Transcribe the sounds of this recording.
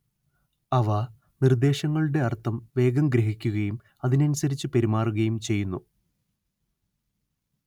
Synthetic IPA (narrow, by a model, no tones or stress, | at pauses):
ɐʋɐ | nird̪e̞ːɕɐŋːɐɭuɽe̞ɐrt̪ʰːɐmʋe̞ːɡɐmɡɾɐɦikʲːuɣɐjum | ɐðinɐnusɐɾit͡ɕːɨpe̞ɾimaːruɣɐjumt͡ɕe̞jːunːu